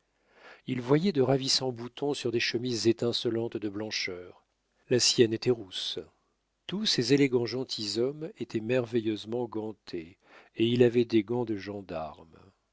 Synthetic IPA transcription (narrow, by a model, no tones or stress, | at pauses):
ilvwajɛd̪əʁavisɑ̃but̪ʰɔ̃syʁd̪eʃəmizːet̪ɛ̃sɔlɑ̃t̪d̪əblɑ̃ʃœːʁ | lasjɛnet̪ɛʁus | t̪usezeleɡɑ̃ʒɑ̃t̪ʰizɔmet̪ʰɛmɛʁvejøzmɑ̃ɡɑ̃t̪ʰe | eilavɛd̪eɡɑ̃d̪əʒɑ̃d̪aʁm